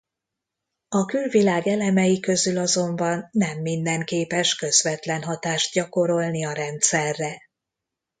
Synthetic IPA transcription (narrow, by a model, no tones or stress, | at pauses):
ɒkylvilaːɡɛlɛmɛjikø̞zylɒzo̞mbɒnːɛmːind̪ɛŋkeːpɛʃkø̞zvɛt̪lɛnɦɒt̪aːʃt̪̚ɟɒko̞ɾo̞lniɒɾɛnt̪sɛrːɛ